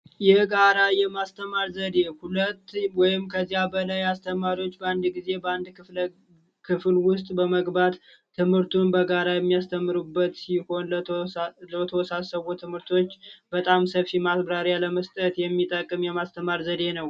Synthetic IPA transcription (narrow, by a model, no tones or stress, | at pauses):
jɛɡaɾajɛmast̪ʰəmaɾzəd̪e̞hulət̪ːɨwɔjɪmkʰəzːijabəlajast̪ʰəmaɾiwo̞t͡ʃːbəand̪ɡize̞bəand̪kɨ | kʰɨflwʊst̪ʼbəməɡbat̪ʰː | ɨmhɨɾt̪ʰunbəɡaɾajɛmːijast̪ʰəmːɨɾubːət̪siho̞n | lət̪ʰəwɔsasəβot̪ʰɨmhɨɾt̪ʰo̞t͡ʃːbət̪ʼamsəfimasbɾaɾjaləməst̪ʼət̪jɛmːit̪ʼəkʼːɨmjɛmast̪ʰəmaɾzəd̪e̞nəw